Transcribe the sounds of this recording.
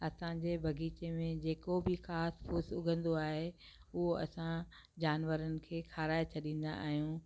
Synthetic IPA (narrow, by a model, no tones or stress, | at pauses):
ɐsãd͡ʑeːbʱɐɡʱiːt͡ɕemẽd͡ʑeːkobʱɪxaːspʰʊːsʊɡʱə̃nd̪oaːɦe | ʊɦoɐsã | d͡ʑaːnʋəɾənɪ̆kʰeːxʰaːɾaːet͡ɕʰɐɗĩːn̆d̪a̰ʔa̰ːɦijũː